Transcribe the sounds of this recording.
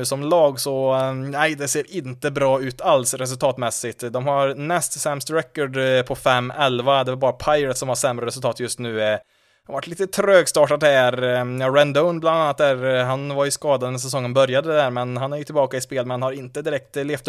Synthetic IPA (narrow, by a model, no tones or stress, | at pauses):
ʉːsɔmlɑːɡsɔnæɪd̪ɛseːɾʔɪnt̪əbɾɑːʉ̟ːt̪ʰalsɾɛs̬ɵlt̪ʰɑːt̪mɛsːɪɡt̪d̪ɔmhaɾnɛst̪sɛmst̪ɾɛkːɔɖpʰɔfɛmːɛlvad̪ɛvaɾbɑːɾapʰaɪɾət̪sɔmhaʂɛmːɾəɾɛs̬ɵlt̪ɑːt̪jɵst̪nʉ̟ː | vaʈʰːliːt̪ət̪ʰɾøːɡst̪ɑːʈat̪hɛːɾjɑːɾɛnd̪ɔʊnbland̪anːat̪̚d̪æːɾɦanvaɾjɵskɑːd̪ad̪ɛnəs̬ɛs̬ɔŋːənbœɾjad̪ədd̪æːɾmɛnɦanæɾjɵt̪ʰɪlbɑːkaɪspeːlmɛnnhaɾɪnt̪əd̪ɪɾɛk̚t̪leːft̪